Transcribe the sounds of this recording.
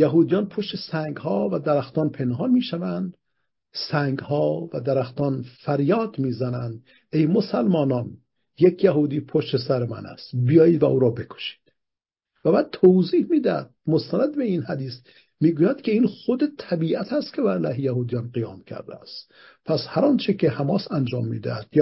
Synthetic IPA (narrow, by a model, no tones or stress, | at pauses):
jæɦuːd̪ijɒːnpʰoʃt̪esæŋɡhɒːvæd̪æɾæxt̪ɒːnpʰenɦɒnmiːʃævænd̪ | sæŋɡhɒːvæd̪æɾæxt̪ɒːnfæɾjɒːd̪miːzænænd̪ | ʔejmosælmɒːnɒn | jekʰjæɦuːd̪iːpʰoʃt̪esæɾemæ̰næ̰st̪bijɒːjiːd̪væʔuːɾɒːbe̞kʰo̥ʃi̥ːd̪̥ | væbæːd̪̚t̪ʰowziːhmiːd̪æd̪̥̚most̪ænæd̪be̞inhæd̪iːs | miːɡuːjæd̪̥kʲʰeiːnxod̪et̪ʰæbiːʔæt̪ʰæst̪kʰebæɾlæːhejæhuːd̪ijɑnqijɒːmcʰæ̰ɾd̪æ̰æst̪ | pʰæshæɾɒnt͡ʃʰekʰehæmɒːsænd͡ʒɒ̰ːmːḭːd̪æ̰æd̪̥j